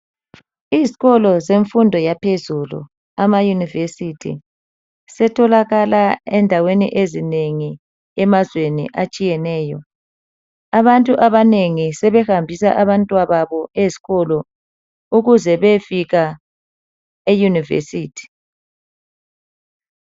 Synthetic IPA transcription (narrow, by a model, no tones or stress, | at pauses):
iziɣɔlɔzeɱfundʱɔjapʰezulṵ | amajunivesitʰḭ | sɛtʰɔlaɣalaɛndʱawenḭʔezineŋi | ɛmazwenḭʔat͡ʃʼijɛnɛːjɔ | aβantʼuʔaβaneŋisɛβɛhambʱisa̰ʔaβantʼwaβaβɔezi̥ɣɔlɔ | uɣuzɛβefiɣa | ejunivḛsiːtʰi̥